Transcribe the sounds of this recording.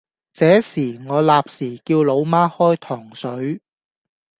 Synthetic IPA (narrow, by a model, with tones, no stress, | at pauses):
t͡sɛː˨˥siː˨˩ŋɔː˨˧laː˨p̚siː˨˩kiː˧wlo˨˧wmaː˥hɔː˥jt̪ʰɔː˨˩ŋsɵ˨˥ɥ